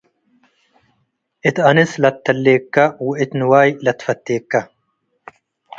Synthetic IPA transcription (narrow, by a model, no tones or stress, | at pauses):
ʔɪt̪ɐnɪslɐt̪ːɐlːeːkːɐwʊʔɪt̪nɪwaːjlɐt̪fɐt̪ːeːkːɐ